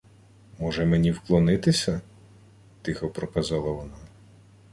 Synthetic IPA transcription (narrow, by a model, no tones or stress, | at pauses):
mɔʒɛmenʲiwklˠɔnɪt̪ɪsʲɐ | t̪ɪxɔpɾɔkɐzɑlˠɐʋɔna